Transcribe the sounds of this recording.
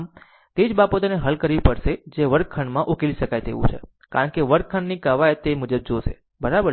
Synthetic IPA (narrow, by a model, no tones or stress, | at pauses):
m | t̪ed͡ʒbapõt̪əneɦəlkəɾʋipəɾʃed͡ʒeʋəɾ̚kʰəɳmãʔukeliʃəkajt̪ḛʋṵ̃t͡ʃʰḛ | ka̰ɾəɳkeʋəɾ̚kʰəɳnikaʋajt̪emud͡ʒəb̚d͡ʒoʃḛ | bəɾabəɾ